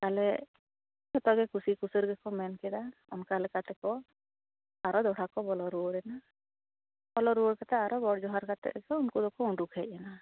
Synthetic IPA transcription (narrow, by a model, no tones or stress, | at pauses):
kalɛ | kɛt̪ɔɡɛkusikusəɾɡɛkɔmɛnkɛd̪aɔ̰nkalɛkat̪ɛkɔ | aɾɔd̪ɔɽʰakɔbɔlɔɾuoɽɛna | bɔlɔɾuɽkat̪ɛaɾɔɡɔɽd͡ʒɔɦaɾkat̪ɛ̰ʔɛkɔunkud̪ɔkɔuɳɖukʰɛʔ̚ɛna